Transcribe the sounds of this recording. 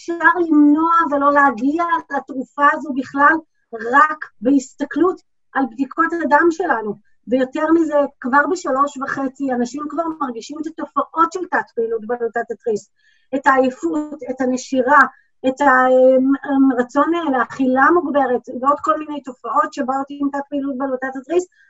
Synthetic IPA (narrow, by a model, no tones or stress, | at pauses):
eʃaʁlimno̞avelo̞leaɡialatʁufaːzo̞biχlal | ʁakbehist̪aklut | albdikʰotadamʃe̞lanu | vejo̞te̞ʁmize̞kvaʁbeʃalo̞ʃvaχe̞t͡sianaʃimkvaʁmaʁɡiʃimet̪ato̞faʔo̞tʃeltatpilutbelotatatʁis | etaːjefutetaneʃiʁa | etaemeʁat͡so̞neleaχilamuɡbe̞ʁetveo̞dko̞lminejto̞faʔo̞tʃe̞baot̪iimtat̚piːlut̚balotatatʁis